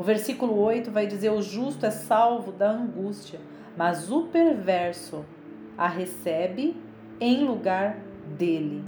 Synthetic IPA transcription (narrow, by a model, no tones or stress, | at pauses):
ʊveɾsikulʊojt̪ʊvajd͡ʒizeɾʊʒust̪ʊɛsawvʊd̪ɐɐ̃ɡust͡ʃiɐ | mɐzʊpeɾvɛɾsʊ | aɦesɛbɪ | ẽj̃luɡaɾ | d̪elɪ